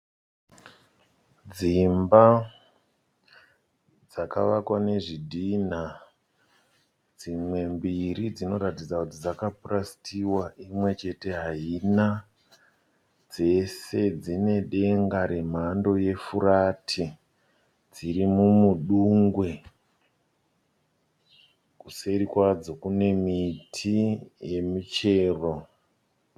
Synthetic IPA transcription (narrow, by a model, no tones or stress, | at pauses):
d͡zimba | d͡zaka̰ʋakwane̞ʐidʱin̤a | d͡zimwe̞mbirid͡zino̞ɾatid͡zakutid͡zakapurasi̥tʰiwaimwe̞t͡ʃe̞te̞ɦaina | d͡ze̞se̞d͡zine̞ɗe̞ŋɡaɾe̞m̤ando̞je̞furaːtʰi | d͡ziɾimumuɗuŋɡwe̞ | kuseɾikwad͡zo̞kune̞mitʰije̞mut͡ʃe̞ːro̞